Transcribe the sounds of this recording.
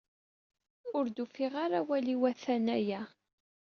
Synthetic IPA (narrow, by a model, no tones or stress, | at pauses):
ʊɾd̪ufiʁaɾawæliwæθænæjæ